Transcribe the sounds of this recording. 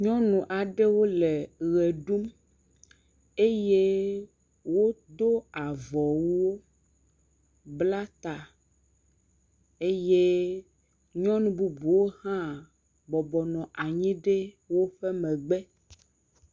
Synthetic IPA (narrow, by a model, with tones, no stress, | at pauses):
ɲɔ̃˦nũ˨ʔa˨ɖe˦wo˦le˨ɣe˨ɖu˦m | e˦je˦ | wo˦d̪o˦a˨vɔ˨wu˦wo˦ | bla˦t̪a˨ | e˦je˦ | ɲɔ̃˦nũ˨bu˦bu˨wo˦hã˦ | bɔ˨bɔ˨nɔ̃˨ʔa˨ɲĩ˦ɖe˦ | wo˦ɸɛ˦mɛ̃˨ɡ͡bɛ˦